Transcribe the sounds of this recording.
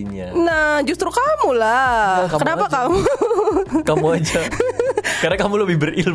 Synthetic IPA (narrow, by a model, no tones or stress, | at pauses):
nahd͡ʒust̪ɾukamulakakənapakkamu | kamuad͡ʒa | kaɾakamuləbɪhbərɪl